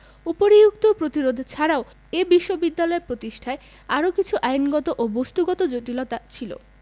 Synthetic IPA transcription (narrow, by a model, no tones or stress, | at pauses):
upoɾijuk̚t̪opɾot̪iɾod̪ʱt͡ɕʰaɾao | ebiʃːobid̪ːalɔeɾpɾot̪iʃʈʰae | aɾokit͡ɕʰuʔajnɡɔt̪oʔobost̪uɡɔt̪od͡ʑoʈilɔt̪at͡ɕʰilo̰